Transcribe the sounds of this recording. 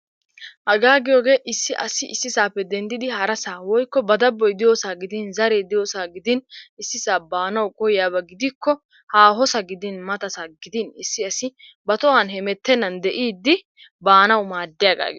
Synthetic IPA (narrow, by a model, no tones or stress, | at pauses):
ʔɐɡaːɡɪjoːɡe̞ːʔɪsːɪʔɐsɪʔɪsːɪsaːpːɛd̪ɛnd̪ɪd̪ɪhɐɾɐsaːwɔjkːɔbɐd̪ɐbːɔjd̪ɪjoːsaːɡɪd̪ɪnzɐɾed̪ɪjoːsaːɡɪd̪ɪnɪsːɪsaːbaːnɐwkʼɔjjaːbɐɡɪd̪ɪkːɔ | haːɦɔsɐɡɪd̪ɪnmɐt̪ɐsaɡɪd̪ɪnɪsːɪɐsɪ | bɐt̪ɔwanɦɛmɛt̪ːɛnːɐnd̪ɛʔiːd̪ːɪ | baːnɐwmaːd̪ːɪjaɡa̰ːɡɪ